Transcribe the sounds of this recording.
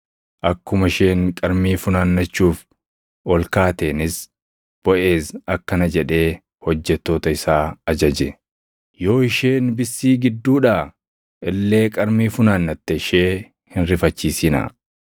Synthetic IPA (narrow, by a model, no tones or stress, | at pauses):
ʔɐkːʊmɐɪʃe̞ːŋkʼɐɾmiːfʊnaːnːɐt͡ʃːuːf | ʔɔlkaːt̪e̞ːnɪs | b̥ɔʔe̞ːsɐkːɐnɐd͡ʒɛᶑe̞ː | hɔd͡ʒːɛt̪ːo̞ːt̪ɐɪsaːɐd͡ʒɐd͡ʒɛ | jo̞ːɪʃeːnbɪsːiːɡɪd̪ːuːᶑaː | ʔɛlːe̞ːkʼɐɾmiːfʊnaːnːɐt̪ːɛɪʃe̞ː | hɪnɾɪfɐt͡ʃːiːsɪna̰